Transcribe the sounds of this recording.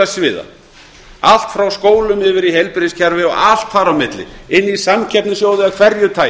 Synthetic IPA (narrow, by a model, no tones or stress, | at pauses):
asvɪːða̰ | al̥t̪fɾawskoːwlʏmɪvɪɾihejlpɪɾɪscʰɛɾvɪɔ̰al̥t̪faɾawmɪt̪lɪ̰ɪnːisamcʰɛpnʏsjoːwðɪaðkʰv̥ɛɾjʏt̪ʰaː